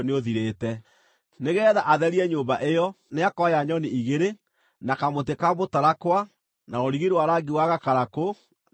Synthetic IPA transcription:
neoðiɾeːtɛ | neɣɛːðaʔaðɛɾiɛɲoːmbaʔejɔ | neakɔjaɲɔniiɣeɾe | nakamot̬ekaβotaɾakwa | naoɾiɣiɾwaɾaɡiwaɣakaɾako

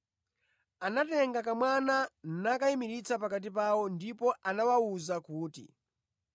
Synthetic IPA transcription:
anatɛŋɡakamwananakaimiɾit͡sapakat̬ip̬awɔndipɔʔanawauzakuːtḭ

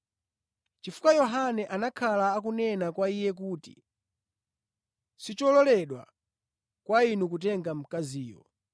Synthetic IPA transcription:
t͡ʃifu̥kajɔɦanɛʔanakʰalaːk̬unɛnakwaijɛk̬uti̥̰ | sit͡ʃɔlɔlɛɗwa̰ | kwainuk̬ut̬ɛŋɡam̩kaziːjɔ̰

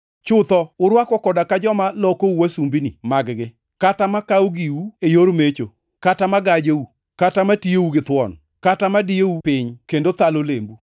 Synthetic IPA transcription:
t͡ʃʊt̪ɔʊɾwakɔkɔdakad͡ʒɔmalɔkouwasumbinḭmaɡɡɪ | katamakawoɡiuejoɾmet͡ʃo | katamaɡad͡ʒeu | katamatieuɡɪt̪wɔ̰n | katamadijeupɪɲkendot̪alolembu

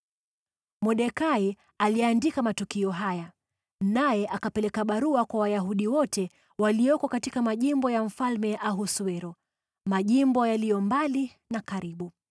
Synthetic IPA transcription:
mɔɗɛkai | aliandikamatukiɔɦaja | najɛʔakapɛlɛkaɓaɾuakwawajaɦuɗiwɔtɛ | walijɔkɔkatikamaʄimbɔjam̩falmɛʔaɦusuɛɾɔ | maʄimbɔjalijɔmbali | nakaɾiɓu

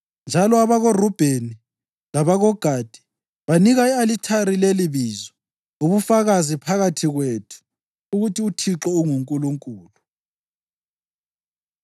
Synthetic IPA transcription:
nd͡ʒʱalɔaβaɣorub̥ʱeni | laβaɣɔɡ̥ʱaːd̥ʱi̥ | βaniɣaialitʰaɾileliβiːzɔ | uβufaɣazipʰaɣatʰiɣweːtʰu̥ | uɣutʰiutʰiǁɔuŋuŋkʼuluŋkʼuːlu

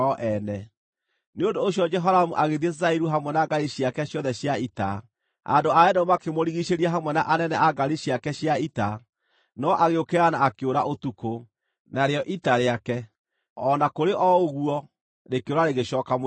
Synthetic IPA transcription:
ɔʔɛnɛ | neondoːɕjɔd͡ʒɛɦɔɾamuʔaɣeðiezaiɾuɦamwɛnaɡaiɕiakɛɕjɔðɛɕjaita̰ | a̰ndoaɛdɔmakemoɾiɣiʃeɾiaɦamwɛnaʔanɛnɛaɡaɾiɕjakɛɕjaita | nɔʔaɣeokeɾanaːkeoɾaʔotuko | naɾeɔʔitaɾeakɛ | ɔnakoɾeʔɔoɣuɔ | ɾekoɾaɾeɣeʃɔːkam

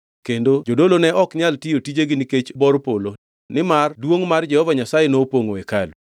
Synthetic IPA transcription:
kendod͡ʒodolonɛʔɔkɲaltijotid͡ʒeɡɪniket͡ʃbɔɾpolo | nɪmardwoŋmard͡ʒɛhɔvaɲasajenopoŋoekalu

